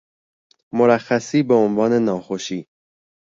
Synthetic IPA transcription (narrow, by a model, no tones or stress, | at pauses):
moɾæxːæsiːbeonvɒːne̞nɒːxoʃiː